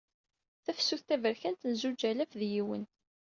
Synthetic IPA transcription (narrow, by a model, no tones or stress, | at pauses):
θæfsːuθt̪ævəɾçænt̪ənzud͡ʒælæfðjiwə̰n